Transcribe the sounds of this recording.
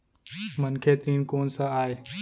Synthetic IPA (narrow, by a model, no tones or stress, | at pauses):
mənkʰeːt̪ɾiːnkoːnsãaːɦeː